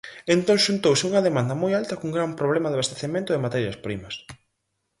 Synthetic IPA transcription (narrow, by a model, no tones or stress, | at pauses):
ent̪õŋʃunt̪owsɪuŋɐðemãnd̪ɐmojalt̪ɐkuŋɡɾampɾoβlɛmɐðaβest̪eθemẽnt̪ʊðɪmat̪ɛɾjɐspɾimɐs